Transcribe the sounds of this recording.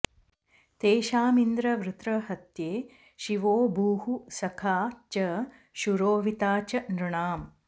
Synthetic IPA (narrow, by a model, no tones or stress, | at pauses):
t̪eːʃaːmind̪ɾɐʋɾɨt̪ɾɐɦɐt̪jeː | ʃiʋoːbuːhusɐkʰaːt͡ʃɐ | ʃuɾoːʋit̪aːt͡ʃɐnɾuɳaːm